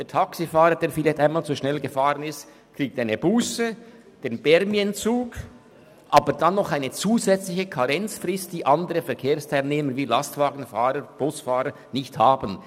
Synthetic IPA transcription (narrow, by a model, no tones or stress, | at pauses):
d̥eːɐtʰɑksifaːɾəd̥eːɾfilaçtaɪnmaːlt͡suʃnɛlɡəfaːʁənɪst | kʁ̥iːk̚taɪnəbuːsə | d̥eːnbɛɾmiənt͡suːk | ʔaːbəɾdanːɔχaɪnət͡suːzɛt͡slɪçəkʰɑʁɛnt͡sfrɪst̚d̥iːʔɑndəɾəfɛɐkʰeːʁstʰaɪlneːməviːlɑstv̥aːɡən̩faːɾəb̥ʊsfaːɾə | nɪçthaːbən